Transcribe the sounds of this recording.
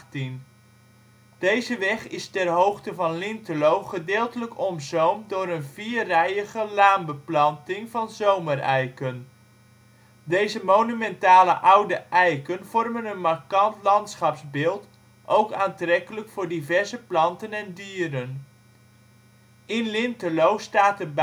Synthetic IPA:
tin | d̥ejzəʋɛχɪstɛrɦowχtəvɑnlɪntəlowχədɪːlˠtələkɔmzowmdʊːɾənviːrɛjəɣəlaːmbəplɑntɪŋvɑnzowmərɛjkən | dejzəmownymɛntaːləʔʌwdəʔɛjkənv̥ɔrmənənmarkɑntlɑntsχɑpzbɪːlˠt | ʔowkaːntrɛkələkfʊːɹdivɛɹzəplɑntənɛndiːɾən | ɪnlɪntəlowstaːtərb

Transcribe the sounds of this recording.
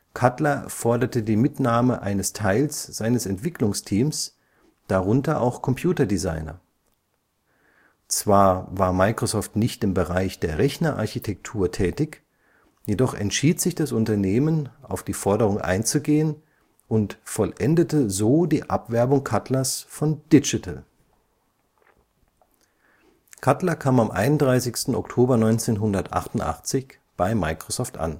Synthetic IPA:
kʰatlɐfɔɐdɐtədiːmɪtnaːməʔa̰ɪnəstʰaɪlsz̥aɪnəsɛntv̥ɪklʊŋstʰiːms | d̥aʁʊntɐʔa̰ʊxkʰɔmpʰj̥uːtɐdiza̰ɪnɐ̰ | t͡sv̥aːɐvaːɐmaɪkʁ̥osɔːftnɪçtɪmbəʁaɪçd̥eːɐʁɛçnɐʔa̰ɐçitʰɛk̚tʰuːɐtʰɛːtɪç | jedɔχɛ̰ntʃiːtz̥ɪçd̥asʔʊntɐneːmənaʊfd̥iːfɔɐdəʁ̞ʊŋʔa̰ɪnt͡suɡeːən | ʔʊntfɔlʔɛndətəzoːdiːʔapv̥ɛɐbʊŋkʰatʰlɐsfɔnd̥ɪd͡ʒɪtʰl̩ | kʰatlɐkʰaːmamʔa̰ɪnʊnd̥ʁaɪsɪçstn̩ɔ̰ktʰoːbɐnɔʏnt͡seːnɦʊndɐtʔa̰χtʊntʔa̰χt͡sɪç | b̥aɪmaɪkʁ̥osɔːftʔa̰n

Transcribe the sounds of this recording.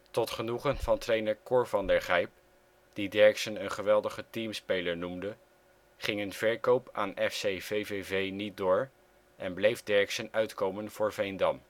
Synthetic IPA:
tɔtχənuχənvɑntrejnəɹkʊɹvɑndəɹχɛjp̚ | d̥idɛɹksənənχəʋɛlˠdəχətimspejləɹnumdə | χɪŋənv̥ɛɹkowpaːnɛfsejvejvevejnit̚dʊːɹ | ʔɛnblejvdɛɹksənœɥtkowmənv̥ʊːɹvejndɑm

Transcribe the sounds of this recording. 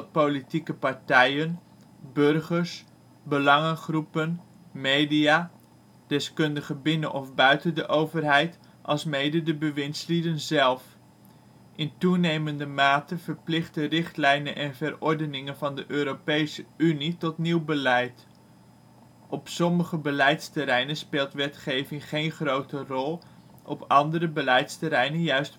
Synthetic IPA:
powlitikəpɑɹtɛjən | børχəɹs | bəlɑŋəχrupən | mejdija | d̥ɛskɵndəχəbɪnənʔɔfbœɥtəndəʔowvərɦɛjt | ʔɑlˠsmejdədəbəʋɪnslidənzɛlˠf | ʔɪntunejməndəmaːtənvəɹplɪχtərɪχtlɛjnənʔɛnvərɔɹdənɪŋənvɑndəʔøːɾopejsəynitɔtniwbəlɛjt | ʔɔpsɔməχəbəlɛjtstəɾɛjnənspeːlˠtʋɛtχejvɪŋχejnχrowtərɔlˠ | ʔɔpɑndərəbəlɛjtstəɾɛjnənjœɥst

